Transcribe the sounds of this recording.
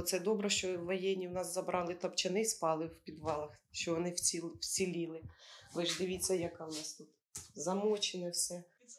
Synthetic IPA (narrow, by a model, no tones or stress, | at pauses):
t̪sɛd̪ɔbɾɛʃt͡ʃɔwːɔjɛnʲːiwnɑszɐbɾʔɑlˠɪt̪ɔpt͡ʃɛnɪspɑlˠɪwpʲid̪ʋɑlˠɐxʃt͡ʃɔʋɔnɪwʲiwt͡sʲilʲilˠɪʋɪʒd̪ɪʋʲit͡sʲːɐjɐkɑwnɑst̪ut̪ | zɐmɔt͡ʃɪnɔsʲɛ